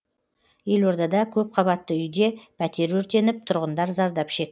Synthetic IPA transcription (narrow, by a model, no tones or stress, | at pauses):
je̞lwo̞ɾd̪ɑd̪ɑkʲʰɵp̚qʰɑβɑt̪ːəʏjd̪e̞pʰæt̪e̞ɾwɵɾt̪e̞nɪp̚t̪ʰʊɾʁənd̪ɑɾzɑɾd̪ɑpʃe̞k̚